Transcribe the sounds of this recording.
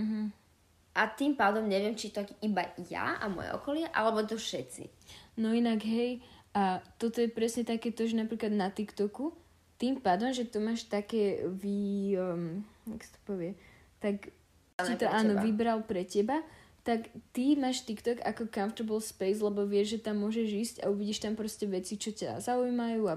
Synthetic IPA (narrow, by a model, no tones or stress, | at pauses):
ɦ̩ | ʔat̪impaːd̪ɔmɲɛʋɪɛmt͡ʃit̪ɔkibaja̰amʊɔ̰jɛ̰ʔɔ̰kɔlɪɛʔa̰lɛbɔt̪̬ɔfʃɛsḭ | nɔinaɡɦɛjʔat̪ɔt̪ɔjɛpɾɛsɲɛt̪akɛːt̪ɔʒɛnapɾiklad̪nat̪ikt̪ɔku | t̪impaːd̪ɔmʒɛt̪ɔmaːʃt̪akɛːʋi | aksḁt̪ɔ̥pɔʋɪɛ | t̪ak | it̪ɔaːnɔʋibɾalpɾɛcɛbat̪akt̪imaːʃt̪ikt̪ɔka̰kɔkanft̪ɔbɔlspɛjslɛbɔʋɪɛʒʒɛt̪amːʊɔʒɛʒiːsca̰uʋiɟiʃt̪ampɾɔscɛʋɛt͡sit͡ʃɔca̰zaujmajuːa